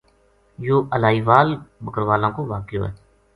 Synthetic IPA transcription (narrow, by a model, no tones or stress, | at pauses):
joːʔəlaːiːʋaːlbəkəɾʋaːlãːkoːʋaːkjo̰ːɦɛ̰ː